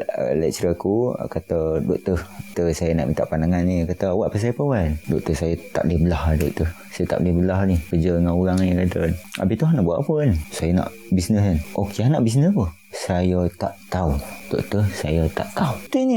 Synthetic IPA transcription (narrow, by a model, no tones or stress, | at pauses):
ə̰lɛ̰ʔ̚t͡ʃɾəakukat̪ədoʔt̪əht̪əsajənaʔmĩnt̪a̰ʔpandaŋanikat̪əawaʔpəs̬ajəpawandoʔt̪əsajət̪a̰ʔlihbəlahadoʔt̪ə | sajət̪a̰ʔlihbəlaɦnikəd͡ʒəŋanuɾaŋnkadənʔa̰biht̪uɦanaʔbuaʔapənsajəna̰ʔ | bisnəsanʔokianaʔbis̬nəspəh | sajət̪aʔt̪aud̥o̰ʔt̪əhsajət̪a̰ʔt̪aut̪uini